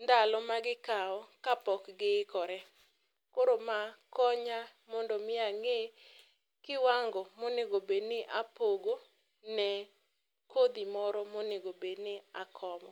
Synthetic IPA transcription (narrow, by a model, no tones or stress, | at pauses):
nd̪alɔmaɡɪkaɔkapɔkɡɪkɔɾɛ | koɾomakɔɲamɔndɔmɪaŋe | kɪwaŋɡɔmonɪɡobednɪʔapoɡo | nɛ | kod̪imɔɾɔmonɪɡobednɪakʰɔmɔ